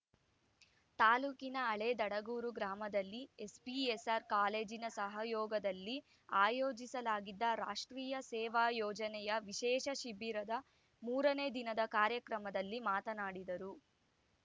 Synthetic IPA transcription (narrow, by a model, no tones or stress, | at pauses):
t̪aːluːkinɐːɭeːd̪ɐɽɐɡuːɾuɡɾaːmɐd̪ɐlːiespiesɐɾkaːleːd͡ʒinɐsɐɦɐjɔːɡɐd̪ɐlːi | aːjoːd͡ʒisɐlaːɡid̪ːɐɾa̰ːʂʈɾiːjɐsɛːʋaːjɔːd͡ʒɐnɛjɐʋiʃɛːʃɐʃibiɾɐd̪ɐ | muːɾɐneːd̪inɐd̪ɐkaːɾjɐkɾɐmɐd̪ɐlːimaːt̪ɐnaːɽid̪ɐɾu